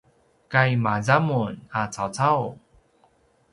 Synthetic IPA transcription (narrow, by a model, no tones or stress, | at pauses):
kajmazamunat͡sʰawt͡sʰaw